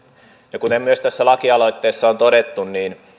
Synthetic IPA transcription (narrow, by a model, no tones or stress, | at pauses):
jɑkunemyøst̪æsːælɑkiɑlo̞jt̪ːeːsːɑont̪odet̪ːunniːn